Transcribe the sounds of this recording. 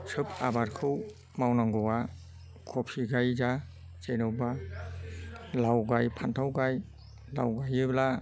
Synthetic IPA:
sʰɯpʰabaɾkʰɯw | mawnaŋɡɯwa | kʰɔpʰiɡajza | t͡ʃenɯwba | lawɡajpʰantʰawɡaj | la̰wɡajɯbla

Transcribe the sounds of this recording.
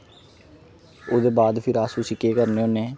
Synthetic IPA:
oːd̪eːbaːd̪pʰɪɾaːsuːsɪkːeːkəɾneːoːnẽː

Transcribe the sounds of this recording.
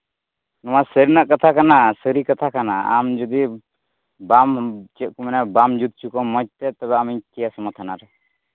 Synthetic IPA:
nɔmasəɾinaʔkat̪ʰakanasəɾikat̪ʰakana̰a̰md͡ʒɔd̪i | bamt͡ʃɛʔ̚kumanabamd͡ʒut̪̚t͡ʃukɔmɔc̚t̪ɛt̪ɔβɛamikijasɔmɔt̪ʰanaɾɛ

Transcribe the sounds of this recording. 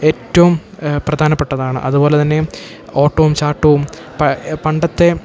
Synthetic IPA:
e̞ːtːɐʋumprɐd̪ʱaːnɐpːe̞ʈːɐðaːɳɨ̰ʔɐðubo̞ːlet̪ɐnːe̞ | oːʈːoʋumt͡ɕaːʈːɐʋum | ppɐɳɖɐt̪ːe̞

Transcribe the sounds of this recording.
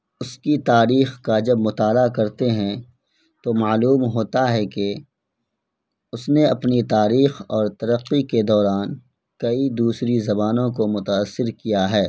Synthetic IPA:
ʊskit̪aːɾiːxkad͡ʒɐbmʊt̪aːlakɐɾt̪eɦɛ̃ | t̪omaːluːmɦoːt̪aɦɛke | ʊsneɐpnit̪aːɾiːxɔːɾt̪ɐɾəqːiked̪ɔːɾaːn | kɐid̪uːsɾizɐbaːnõkomʊt̪aːsːɪɾkijaɦɛː

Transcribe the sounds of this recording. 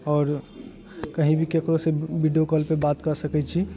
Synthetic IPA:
ɔːɾ | kəɦĩbʱikekɾoseʋiɖijokəlpebaːt̪kəɾsəkɛt͡ʃʰi

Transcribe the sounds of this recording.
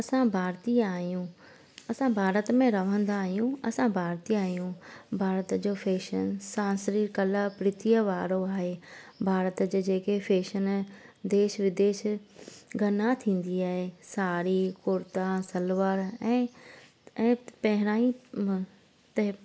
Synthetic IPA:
ɐsãbʱaːɾt̪iaːɦijũ | ɐsãbʱaːɾət̪mẽɾɐʋ̤ə̃nd̪aːɦijũɐsãbʱaːɾt̪iaːɦijũbʱaːɾət̪d͡ʑoːfeːʃənsãːsɾikɐləpɾɪt̪ʰiəʋaːɾoaːɦebʱaːɾət̪d͡ʑoːd͡ʑeːkefeːʃənd̪eːʃʋɪd̪eːʃ | ɡʱɐnat̪ʰĩːn̆d̪iaːɦesaːɾikʊɾt̪asɐlʋəɾɛ̃ː | ɛ̃ːpɐɦɪɾ̃aːi | t̪ɐɦ

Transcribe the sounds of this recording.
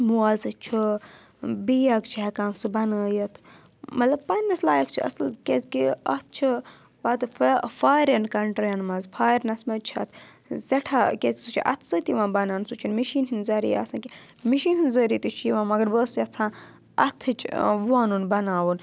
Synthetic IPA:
muɐzɨt͡ʃʰi | bijɐkt͡ʃʰɐkaːmsɨbɐnəːjɐt̪ʰ | mɐt̪lɐbpɐnːɐslaːjɐkt͡ʃʰiɐ̰slkʲezkiɐt̪̚ʰt͡ʃʰi | baːt̪ɨffaːɾʲɐnkɐɳʈɾjɐnmɐzpʰaːɾnɐsmɐt͡ʃʰɐ̰t̪ʰ | zɐʈʰakʲezʲsut͡ʃʰḭʔɐ̰t̪ʰsət̪iʋãːnbɐnaːnsut͡ʃʰinmiʃiːnɦinzɐɾḭja̰ːsãːki | miʃiːnhinzɐɾiːt̪ɨt͡ʃʰiʋãːmɐɡɐɾbəːsjɐt͡sʰãː | ɐt̪ʰɨt͡ʃʰʋaːnunbɐnaːwun

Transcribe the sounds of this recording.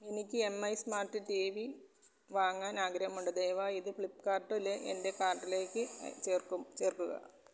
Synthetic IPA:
enikʲːɨe̞mːɐjsmaːrtːɨʈiʋi | ʋaːŋːaːnaːɡɾɐhɐmuɳɖɐd̪ejʋaːiðɨfɭipːkaːrʈːuleʔḛnde̞kaːrʈːile̞ːkʲːɨt͡ɕeːrkumt͡ɕe̞ːrkːuɣɐ̰

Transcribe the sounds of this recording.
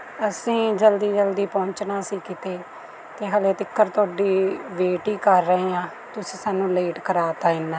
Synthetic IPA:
əsĩːd͡ʒəld̪iːd͡ʒəld̪iːpɔ̃ːɲt͡ʃnãːsiːkɪt̪eː | t̪eːɦəleːt̪ɪkʰːəɾt̪ʊaːɖiːʋeːʈiːkəɾːəɦeːãː | t̪ʊsĩːsaːnːũːleːʈkəɾaːt̪aːɪnːɛː

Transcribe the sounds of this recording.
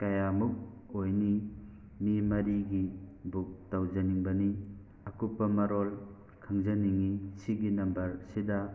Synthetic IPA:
kajamuk̚ojni | mimɐɾiɡibuk̚tawd͡ʒɐniŋbɐni | ɐkupːɐmɐɾol | kʰaŋzɐniŋisiɡinɐmbɐɾsida

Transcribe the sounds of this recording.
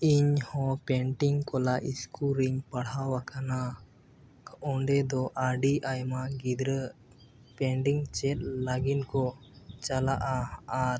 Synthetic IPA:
iɲhɔ̃pɛɳʈiŋkɔlaʔiskʰuɾiŋpaɽawakʰana | ʔɔɳɖɛd̪ɔʔaɖiʔajmaɡid̪ɾə | pɛɳʈiŋt͡ʃɛt̪̚ˀlaɡinkɔt͡ʃalaʔaːɾ

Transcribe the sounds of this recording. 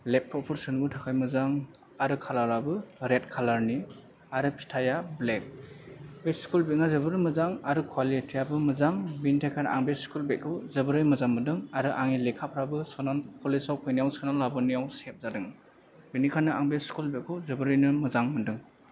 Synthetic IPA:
lep̚ʰːɔpʰuɾsɯnbɯtʰakʰajmɯzaŋ | aɾɯkʰalaɾabɯɾet̚kʰalaɾni | aɾɯpʰi̥tʰajablek̚ | beskulbit̚ŋazɯbɯɾɯjmɯzaŋaɾɯkʰwalitʰijabɯmɯzaŋbinitʰajkʰanʔa̰ŋbeskulbet̚kʰɯwzɯbɯɾɯjmɯzaŋmɯdɯŋaɾɯʔaŋilekʰapʰɾabɯsɔnalpʰɔlisawpʰɯjnijawsɯnalːabɯnijawsep̚zadɯŋ | binikʰanɯaŋbeskulbet̚kʰɯwzɯbɯɾɯjnɯmɯzaŋmɯdɯŋ

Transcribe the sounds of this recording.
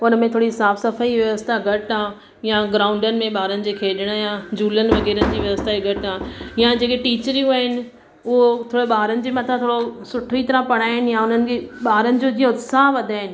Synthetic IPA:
ʊnəmẽt̪ʰoːɽiɦɪsaːbsɐfaiʋjɐʋəst̪aɡʱɐʈãː | jaɡɾãːʊ̃ɳɖənɪ̆mẽɓaːɾənɪ̆d͡ʑeːkʰeːɗəɽ̃jãd͡ʑuːlənɪ̆ʋɐɣɛːɾənɪ̆d͡ʑiːʋjɐʋst̪aiɡʱɐʈaːjãd͡ʑeːkeʈiːt͡ɕəɾiuaːɦɪnɪ̆ | ʊɦot̪ʰoːɽeɓaːɾənɪ̆d͡ʑeːmɐt̪ʰãt̪ʰoːɽosʊʈʰoit̪ɐɾãpɐɽ̃aːɦɪnɪ̆jaʊn̤ənɪ̆keɓaːɾənɪ̆d͡ʑod͡ʑiːãʊd̪saːɦʋɐd̪ʱaːɦɪnɪ̆

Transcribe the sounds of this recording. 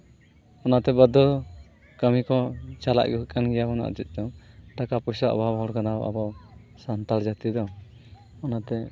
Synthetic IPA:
ɔnat̪ɛbəd̪ɔ | kəmikɔt͡ʃala̰ʔɡɔɦkanɡɛjabɔna̰ʔt͡ʃit̪̚ˀd̪ɔʈakapɔjsaʔɔ̰bʱabɦɔɽkanawa̰bɔsant̪ald͡ʒat̪id̪ɔ | ɔnat̪ɛ

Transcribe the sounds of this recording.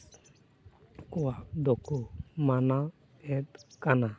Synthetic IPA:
kɔwad̪ɔkʰumana | ɛt̪̚kana

